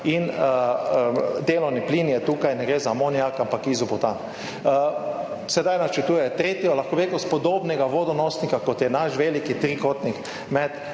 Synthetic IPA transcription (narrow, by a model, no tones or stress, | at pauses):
in | d̪eːlɔwnipliːnjɛt̪uːkajnɛɡɾezamoniakampakizupɔt̪an | sɛd̪ajnat͡ʃɛt̪uːjɛt̪ɾet̪jɔlaxkoʋeːkɔst̪pɔd̪oːbnɛɡaʋoːd̪ɔnɔːsnikakɔt̪jɛnaʃʋelikit̪ɾikot̪nik | mɛt̪